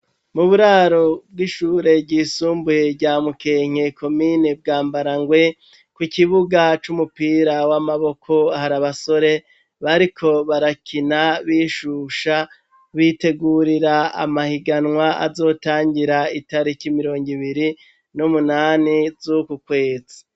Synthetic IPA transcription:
muβuɾaːɾo̞b̚ɡiʃuːɾe̞bɟiːsuːmbuje̞ɟamukeŋ̥ekʰo̞mineb̚ɡaːmbaɾaŋɡwe̞ | kwikiβuɡat͡ʃumupiːɾawamaβo̞kʰo̞ahaɾaβaso̞ɾe̞ | βaɾikʰo̞βaɾakʰinaβiːʃuʃa | βite̞ɡuɾiɾaa̰mahiɡanŋwaa̰zo̞ːtaːŋɡiɾaitaɾikimiɾo̞ːŋɡiβiɾi | numunaːnizukukwe̞ːzi

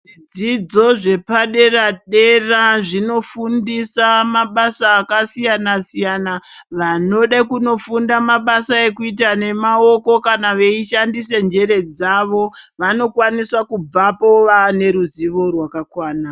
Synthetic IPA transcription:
ʐid͡zid͡zo̞ʐe̞paɗe̞raɗe̞raʐino̞fundisamaɓasaːkasijanasijana | ʋano̞ɗakuno̞fundamaɓasae̞kuit̬ane̞mao̞ko̞kanaʋe̞iʃandise̞nd͡ʒe̞ɾe̞d͡zaʋo̞ʋano̞kwaniswakub͡vapo̞ʋane̞ɾuziʋo̞rwakakwaːna

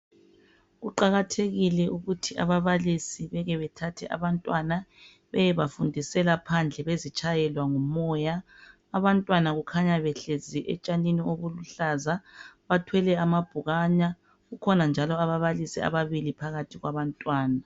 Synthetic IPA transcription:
ɣuǃaɣatʰeɣilɛʔuɣutʰiʔa̰βaβalisiβɛɣɛβɛtʰatʰɛʔa̰βantʼwana | βɛjɛβafundʱisɛlapʰand͡ɮʱɛβezit͡ʃʰʼajɛlwaŋumɔjaː | βantʼwanaɣukʰaɲaβɛɬeziʔɛt͡ʃʼaninioβuluɬazaβatʰwɛlɛamab̥ʱuɣaɲa | ɣukʰɔnand͡ʒʱalɔaβaβalisia̰βaβilipʰaɣatʰiɣwaβantʼwaːna

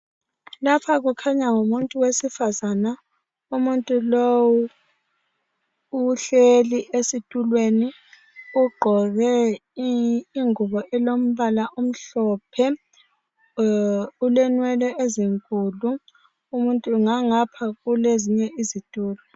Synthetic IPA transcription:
lapʰaɣukʰaɲaŋomuntʼuwesifazana | umuntʼulowu | ɬeliʔesitʼulweni | uɡ͡ǃʱɔɣɛ | ŋuβɔʔɛlom̩βalaʔum̩ɬɔːpʰɛ | ulɛnwɛlɛʔeziŋkʼulu | umuntʼuŋaŋapʰaɣuleziɲɛʔizitʼuːlɛ

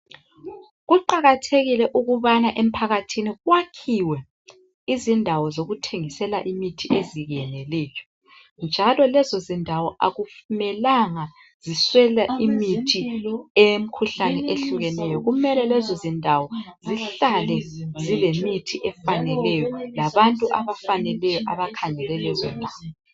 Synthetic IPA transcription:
ɣuǃaɣatʰeɣilɛʔuɣuβanaʔem̩pʰaɣatʰiniɣwakʰiwɛ | izindʱawɔzoɣutʰeŋisɛla̰ʔimitʰiʔeziɣɛnɛlɛːjɔ̥ | nd͡ʒʱalɔlɛzɔzindʱawɔʔa̰ɣufumɛlaŋa | z̥iswɛlaimitʰiem̩kʰuɬanɛʔeɬuɣɛnɛjɔɣumɛlɛlɛzɔzindʱawɔziɬalɛzilemitʰiʔɛfanɛlɛjɔlaβantʼuʔaβafanɛlɛjɔʔaβakʰaŋɛlɛlɛzɛndʱaːwɔ

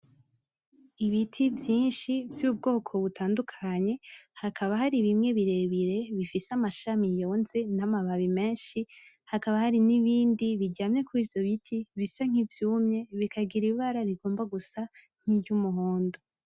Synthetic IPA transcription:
iβitʰivjiːnʃivjuːb̚ɡo̞ːkʰo̞βutʰaːndukʰaɲe̞hakʰaβahaɾiβimŋe̞βiɾe̞βiɾe̞βifiseamaʃamijo̞ːnze̞namaβaβime̞ːnʃi | hakaβahaɾiniβiːndiβiɟaːmɲe̞kuɾivjo̞βitʰiβisaŋ̥ivjuːmɲe̞βikaɡiɾiβaɾaɾiɡo̞ːmbaɡusa | ŋ̥iɟumuɦoːndo

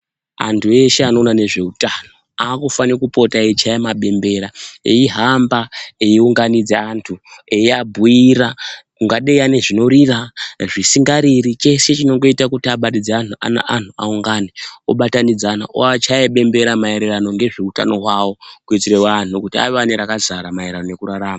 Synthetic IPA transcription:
a̰ntʰue̞ʃe̞ano̞ːnane̞ʐe̞utano̞ | aːkufanekupo̞taet͡ʃajemaɓe̞mbe̞ɾaeiɦambaeiuŋɡanid͡zeantʰueiabʱuiɾakuŋɡaɗeane̞ʐino̞ɾiraʐisiŋɡaɾirit͡ʃe̞se̞t͡ʃino̞ŋɡo̞itakutiaɓaɗid͡zeanuʔa̰na̰ʔantʰua̰uŋɡaneoɓatanid͡zana̰ʔo̰at͡ʃajeɓe̞mbe̞ɾamaeɾerano̞ŋɡe̞ʐe̞uta̰no̞ɦwawo̞kuit͡siɾewanukutia̰ianeɾakazaɾamaeɾanone̞kuɾaɾaːma

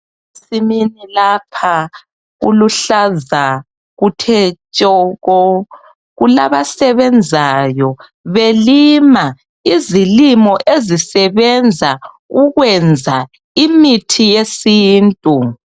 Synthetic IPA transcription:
siminilaːpʰa | ɣṵluɬaza | ɣutʰɛt͡ʃʼɔɣɔ | ɣulaβasɛβɛnd͡zʱajɔ | βelima | izilimɔʔezisɛβɛnd͡zʱa | uɣwɛnd͡zʱa | imitʰijesiːntʼu

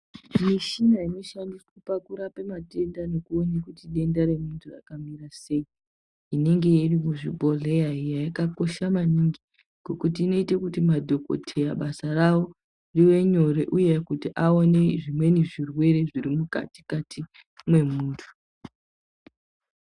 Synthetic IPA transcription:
miʃinaino̞ʃandiswupakuɾapemate̞ndanokuonekutiɗe̞ndaɾe̞muntʰura̰kamiɾase̞i | ine̞ŋɡe̞jiripoʐibʱo̞ɮejaijaikako̞ʃamaniŋɡi | ɡ̥ʱo̞kutiːno̞itekutimadʱo̞ko̞̰tʰe̞jaɓasarawo̞ | riwe̞ɲo̞ɾe̞ʔuje̞kutiʔaone̞ʐimwe̞niʐirwe̞ɾe̞ʐiɾimuka̰ti̥katʰi | mwe̞muːtʰu̥

